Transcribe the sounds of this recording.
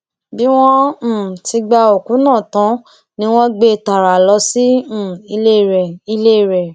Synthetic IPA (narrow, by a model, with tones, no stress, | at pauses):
bi˦w̃ɔ̃˦˨ti˧ɡ͡ba˧o˨kũ˨˦nãː˦˨tã˨˦ | nĩ˧˦w̃ɔ̃˦ɡ͡be˧˨ta˨ɾa˨lɔ˧sĩ˦˨i˧le˦˨ɾɛ˨i˧le˦˨ɾɛ˨